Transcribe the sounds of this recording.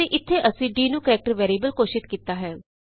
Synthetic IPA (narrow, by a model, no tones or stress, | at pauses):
eʔɪt̪ʰːeːʔəsĩːɖiːnũːkəɾɛːk̚ʈəɾʋɛːɾiːbəlkoːʃɪt̪kiːt̪aːɦɛː